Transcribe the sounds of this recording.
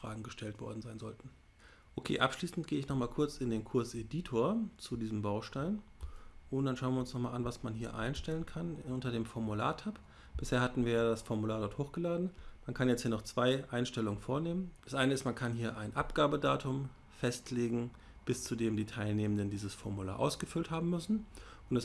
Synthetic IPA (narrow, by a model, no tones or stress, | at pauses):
fʁ̥a̰ːɡŋ̩ɡəʃtʰɛltv̥ɔ̰ɐdn̩zaɪnzɔ̰ltn̩ | ʔokʰḛːʔa̰pʃliːsn̩tɡ̥eːəɪçnɔχmaːlkʰʊɐt͡sɪndeːnkʰʊɐsʔediːtʰoːɐt͡sudiːzəmbaʊʃtaɪnʔʊntd̥anʃaʊənviɐʊnsnɔχmaːlʔanvasmanɦiːɐʔa̰ɪnʃtɛlənkʰanʊntɐdeːmfɔɐmula̰ːɐtʰap | b̥ɪsheːɐhatn̩viːɐjaːdasfɔɐmulaːɐdɔɐthoːxɡ̥əlaːdn̩mankʰanjɛt͡sthiːɐnɔχt͡sv̥aɪʔaɪnʃtɛlʊŋənfoːɐneːmənd̥asʔaɪnəɪstmankʰanhiːɐʔaɪnʔapɡ̥aːbədaːtʰʊm | fɛstʰleːɡŋ̩ | b̥ɪst͡sudeːmdiːtʰaɪlneːməndəndiːzəsfɔɐmula̰ːɐʔa̰ʊsɡ̥əfʏlthaːbm̩mʏsn̩ | ʔʊntd̥as